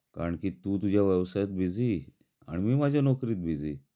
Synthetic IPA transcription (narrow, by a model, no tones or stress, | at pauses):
ka̰ɾəɳkiːt̪uːt̪ud͡ʑʱjaʋəʋsajt̪̚bid͡ziː | a̰ɽ̃imiːmad͡ʑʱjanɔkɾiːt̪̚bʱid͡zḭː